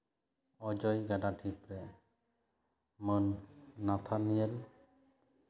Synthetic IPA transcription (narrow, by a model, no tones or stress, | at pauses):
ɔd͡ʒɔjɡaɖaʈʰipɾɛ | mənːat̪ʰanijɛl